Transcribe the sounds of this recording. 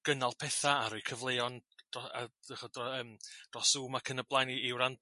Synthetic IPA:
ɡ̥ənalˠpʰɛθaaɾʊɨkʰəvlˠejɔnd̥ɔa̰əχɔdrɔəːmd̥rɔsuːmakʰənəblˠajniɪwɾant

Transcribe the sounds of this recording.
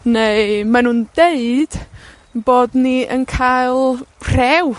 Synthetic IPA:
nejmanuːnd̥eɨd̥ | boːdniə̰nkʰajlˠr̥ɛw

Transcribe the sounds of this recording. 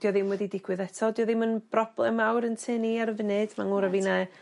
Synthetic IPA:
d̥ijɔðɪmwɛdidɪɡ̥wɨðɛtʰɔdijɔðɪmənb̥rɔb̥lˠɛmawɾəntʰɨːniaɾəvɪnɨd̥maŋuɾavina

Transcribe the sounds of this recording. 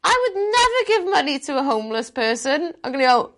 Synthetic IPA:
ʔaɪwədⁿnɛvəɡɪvmʌnitʰəəɦõʊ̃mləspʰɜːˑsə̃nãɪ̃mɡʌnəɡoʊ

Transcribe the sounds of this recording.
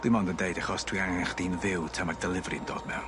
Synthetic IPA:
d̥wimɔndəndejdaχɔstʰwiaŋaχd̥inðɪwtʰɛmardɛlˠɪvrɨndo̰ːd̥mɛ̰

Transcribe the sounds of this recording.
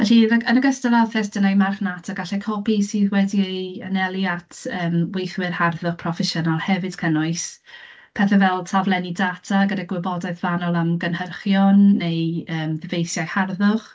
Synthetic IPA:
vɛɬiəənəɡəstavɛlˠθɛsdənajmarχnatʰaɡaɬɛkʰɔpisɨːðwɛdieja̰nɛlˠjatʰəːmwejθwɪrharðʊχpʰrɔfɛʃənalˠhɛvɨd̥kʰənʊɨs | pʰɛθɛvɛlˠtʰavlˠɛnidatʰaɡədaɡwɪbɔdaɨθvanɔlˠamɡənhərχjɔnːejəːmðɪvejθjajharðʊχ

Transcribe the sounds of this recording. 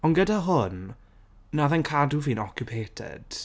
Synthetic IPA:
ɔnɡədaɦʊnː | aðɛnkʰaduviːnɔkjupʰeːtʰɛ̰d̥

